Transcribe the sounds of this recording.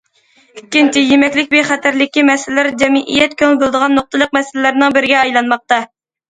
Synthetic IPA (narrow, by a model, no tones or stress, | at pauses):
ikʲːint͡ʃʰijemɛkʲlɪkʲbeχæt̪ʰæɾlɪkʲːimɛslɪlæɾd͡ʒɛmɪʔḭjɛt̪kʲʰøŋbolˠd̪əʁɑnːoq̚t̪əlˠəq̚mɛsɪlɪlæɾnɪŋbɪɾɪɡʲɛɑjlˠɑnmɑq̚t̪ɑ